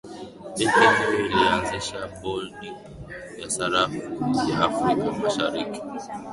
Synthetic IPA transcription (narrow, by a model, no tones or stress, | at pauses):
epɛŋɔilianziʃabɔlni | jasaɾafujaːfɾikamaʃaɾiki̥